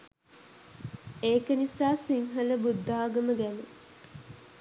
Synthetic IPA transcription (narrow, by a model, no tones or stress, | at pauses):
eːkənisaːsiŋɦələbud̪ːaːɡɐməɡæne